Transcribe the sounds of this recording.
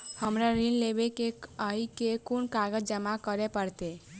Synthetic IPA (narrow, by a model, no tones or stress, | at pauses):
həmɾaɾinlebekekaikekunkaɡəd͡ʒəmakəɾepəɽt̪e